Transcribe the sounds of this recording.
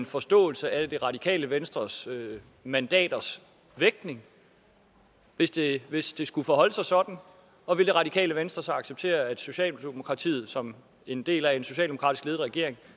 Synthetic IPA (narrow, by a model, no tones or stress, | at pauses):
nfɒ̽sd̥ɔ̰̽ːl̩səæd̥e̝ʁɑ̈d̥ikʰɛ̰ːləʋensd̥ʁɐsø | mænd̥ɛ̰ːd̥ɐs | ʋeɡ̥̚ne̝ŋ | ʋe̝sd̥e̝ʋe̝sd̥e̝sɡ̥ufɒ̽ɦɒ̽l̰əsɑ̈ɪsɒ̽d̥n̩ | ɒ̽ʋe̝ld̥e̝ʁɑ̈d̥ikʰɛ̰ːləʋensd̥ʁɐsɑɑ̈ɡ̥seb̥̚t͡sʰe̝̰ːɐæd̥so̝ɕɛ̰ːlmo̝kʰʁɑ̈t͡sʰḭːð̩ˠsɒ̽m | e̝nd̥e̝̰ːlæe̝nso̝ɕɛ̰ːld̥emo̝kʰʁɑ̰d̥isɡ̥le̝ð̩ˠʁɛɡ̥e̝̰ɐ̰eŋ